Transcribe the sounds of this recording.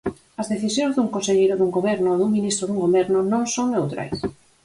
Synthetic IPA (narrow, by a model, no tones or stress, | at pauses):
ɐzðeθisjõŋzðuŋkõnseʎejɾʊðuŋɡoβɛɾnʊoðuŋminist̪ɾʊðuŋɡoβɛɾnʊnõŋsoŋewt̪ɾa̰js